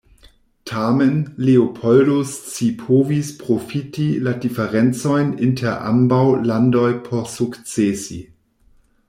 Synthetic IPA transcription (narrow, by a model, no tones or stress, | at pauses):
tʰamenleopʰoldost͡sipʰovispʁofitiladifeʁent͡sojnintʰeɾʔa̰mbawlandojpʰoɾsukt͡sesi